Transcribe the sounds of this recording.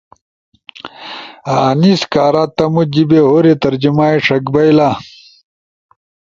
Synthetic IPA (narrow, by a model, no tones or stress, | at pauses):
aːniskaːɾaːt̪ɐmud͡ʑibeɦoːɾit̪ɐɾd͡ʑimaːiʂɐkbɐjla